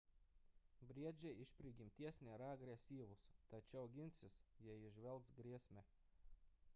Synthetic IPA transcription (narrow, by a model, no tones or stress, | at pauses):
bɾʲiɛd͡ʒʲɛjiʃpʲɾʲiɡʲimt̪ʲiɛsʲnʲɛɾaɡɾʲɛsʲiːʋʊst̪at͡ʃʲɛʊɡʲinʲt̪sʲɪsjɛjiʒʲʋʲɛlˠt̪sɡɾʲiɛsʲmʲɛ